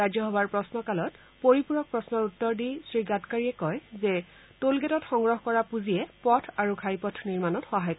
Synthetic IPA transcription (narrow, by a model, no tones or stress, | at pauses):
ɹazjɔɦɔbaɹpɹɔsnɔkalɔt | poɹipuɹɔk̚pɹɔsnɔɹutːɔɹdisɹiɡatkaɹiɛkɔjzɛ | tolɡɛtɔtxɔŋɡɹɔɦkɔɹapuzijɛpɔtʰaɹuɡʱajpɔtʰniɹmanɔtxɔɦajkɔ